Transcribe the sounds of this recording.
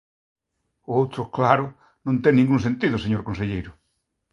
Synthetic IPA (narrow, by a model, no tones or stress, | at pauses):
oowt̪ɾʊklaɾʊ | nõnt̪eŋnĩŋɡuŋsẽnt̪iðʊseɲoɾkõnseʎejɾʊ